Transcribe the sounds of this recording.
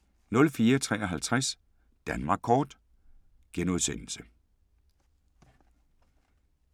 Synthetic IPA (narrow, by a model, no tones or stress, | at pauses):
nɔ̽lfiːɐt͡sʰʁɛ̰ːɒɦælt͡sʰʁas | d̥ænmɑ̈ɡ̥̚kʰɒːd̥ | ɡ̥enuð̞ˠsen̰l̩sə